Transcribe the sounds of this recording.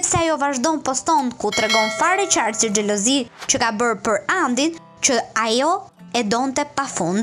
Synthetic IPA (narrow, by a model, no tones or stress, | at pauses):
ɛpsɛajɔvaʒd̪ɔmpɔst̪ɔnd̪kuːt̪ɾɛɡɔnfaɾɛt͡ʃaɾsid͡ʒɛlɔzit͡ʃəkabəɾpəɾand̪in | t͡ʃəajɔ | ɛd̪ɔnt̪ɛpafund̪